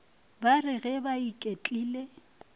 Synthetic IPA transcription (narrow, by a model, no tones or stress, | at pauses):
barɪɣɛbaikʼet͡ɬʼiːle